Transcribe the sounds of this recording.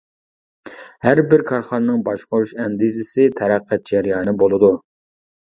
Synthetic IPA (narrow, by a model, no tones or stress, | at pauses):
hæɾbɪɾkʰɑɾχɑnɨnɨŋbɑʃqʊɾuʃɛnd̪ɪzɪsɪt̪ʰɛɾæqʰːæt̪̚d͡ʒɛɾijɑːnɨbolˠɨd̪u